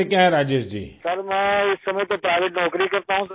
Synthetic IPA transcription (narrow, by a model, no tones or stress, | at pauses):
ekjãɦɛ̃ɾaːd͡ʒesd͡ʑḭːsɐɾmɛ̃ːɪsːɐməjt̪opɾaːɪʋeʈnɔːkɾikɐɾt̪aɦũ